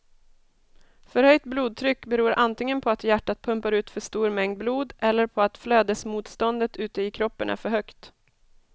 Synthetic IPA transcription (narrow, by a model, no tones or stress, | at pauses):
fœɾhœjt̪bluːd̪̚t̪ʰɾʏkːbɛɾuːɾʔant̪ɪŋːənpʰɔat̪jæʈːat̪̚pʰɵmpaɾʉ̟ːt̪fœʂt̪uːɾmɛŋd̪̚bluːd̪ɛlːəɾpʰɔat̪fløːd̪əsmuːt̪st̪ɔnd̪ət̪ʉ̟ːt̪əɪkʰɾɔpːənʔæ̰ɾfœɾhœkt̪